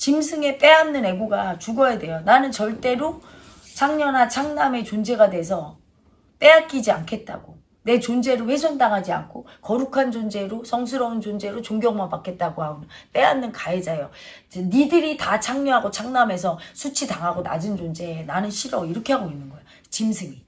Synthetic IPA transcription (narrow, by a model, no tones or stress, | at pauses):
t͡ɕimsʰɯŋe̞p͈e̞amnɯne̞ɡoɡat͡ɕuɡʌjade̞jonanɯnt͡ɕʌɭt͈e̞ɾo | t͡ɕʰaŋɲʌnat͡ɕʰaŋname̞t͡ɕond͡ʑe̞ɡadwe̞s̬ʰʌ | p͈e̞ak͈id͡ʑia̰nkʰe̞t̚t͈a̰ɡ̥o | ne̞t͡ɕond͡ʑe̞ɾoɸwe̞sʰʌndaŋɦad͡ʑia̰nkʰokʌɾukʰand͡ʑond͡ʑe̞ɾosʰʌŋs̬ʰɯɾʌunt͡ɕond͡ʑe̞ɾot͡ɕoŋɡjʌŋmapakʰe̞t̚t͈aɡoɦaɡona | p͈e̞amnːɯnkaed͡ʑajo | t͡ɕenidɯɾitat͡ɕʰaŋɲʌɦaɡot͡ɕʰaŋname̞s̬ʰʌsʰut͡ɕʰitaŋɦaɡona̰d͡ʑɯnd͡ʑond͡ʑe̞nanɯnɕʰiɾʌiɾʌkʰe̞ɦaɡoinːɯnɡʌjo | t͡ɕimsʰɯŋi